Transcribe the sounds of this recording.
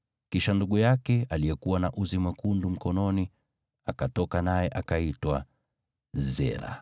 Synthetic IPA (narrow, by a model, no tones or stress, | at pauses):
kiʃanduɠujakɛalijɛkuwanaʔuzimakundum̩kɔnɔni | akatɔkanajɛʔakaitwa | zɛ̰ɾa̰